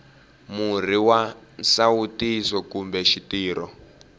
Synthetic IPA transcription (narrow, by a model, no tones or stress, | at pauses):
mur̤iwansautisɔkumbɛʃitiːɾɔ